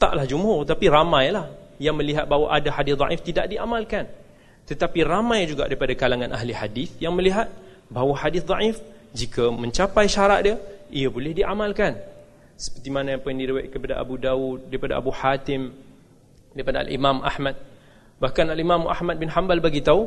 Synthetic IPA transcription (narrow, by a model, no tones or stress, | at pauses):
t̪a̰ʔlahd͡ʒumɦʊrt̪apiramãjlahjaŋmə̃liɦat̪̚baɦwaʔadahadɪθd̪ɑʔift̪idaʔdiʔamalkan | t̪ət̪apiramãjd͡ʒuɡa̰ʔdaɾipadakalaŋãnʔaɦliħadiθjaŋməliɦat̪̚ | baɦwaħadɪθd̪ˤɑʔifd͡ʒikəmə̃ɲt͡ʃapajʃaɾaʔ̚dəijəbolɛhdiʔamalkan | sə̥pərt̪imanajapajaŋdiɾiwajt̪̚kəpada̰ʔa̰budaut̪̚daɾipada̰ʔa̰buħat̪ɪm | daɾipadaa̰lḭmãmʔa̰hmat̪̚ | bahkanalimãmʔa̰hmat̪̚bɪnhambalbaɡit̪au